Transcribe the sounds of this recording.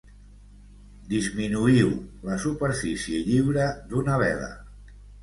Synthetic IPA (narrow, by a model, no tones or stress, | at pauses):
d̪izminuiwləsupəɾfisieʎiwɾəd̪unəβ̞ɛ̰ðə̰